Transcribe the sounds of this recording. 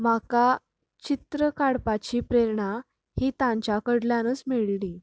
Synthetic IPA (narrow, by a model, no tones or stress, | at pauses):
m̤aka | t͡ɕit̪ɾəkaɽpat͡ɕiːpɾeɾɳa | hiːt̪ãɲt͡ɕakəɽljanət͡smeɭliː